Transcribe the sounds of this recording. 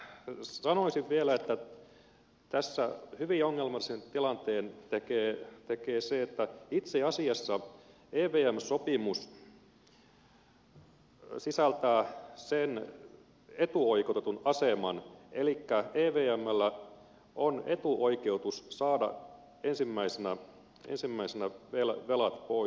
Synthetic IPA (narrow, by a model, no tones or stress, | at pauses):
sɑnoisiʋʋielæet̪ːæ | t̪æsːæhyʋioŋːelmɑlːisent̪ilɑnt̪eːnt̪ekeːt̪ekeːseet̪ːæit̪seɑsiɑsːɑ | eːʋeːæmsopimus | sisælt̪æːsen | et̪uoikot̪et̪unɑsemɑnelikːæeːʋeːæmːælːæ | ʔonet̪uʔoikeut̪ussɑːdɑ̰ | ensimːæisenæ | ḛnsimːæisenæʋelæʋelɑt̪poi